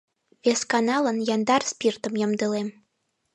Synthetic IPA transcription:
bʲeskanɑlˠənjɑnd̪ɑrspʲirt̪ə̆mjə̆md̪ɨlˠem

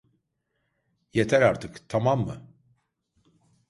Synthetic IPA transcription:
jɛt̪ʰæɾaɾt̪ʰɯkt̪ʰamamːɯ̰

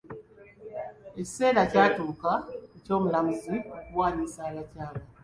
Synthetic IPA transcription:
eci̥se̞ːɾacaːtuːkaeco̞ːmulamuziokuwaːɲisalacaːla

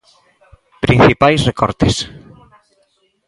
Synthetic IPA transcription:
pɾin̟θipajsrekɔɾt̪ɪs

